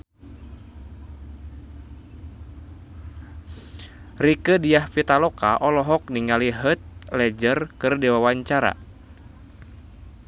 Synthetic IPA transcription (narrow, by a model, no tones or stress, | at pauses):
rikədijahpit̪alɔkaʔɔlɔɦɔk̚niŋaliɦət̪̚lɛd͡ʒərkɨrdɛwawaɲt͡ʃaɾa̰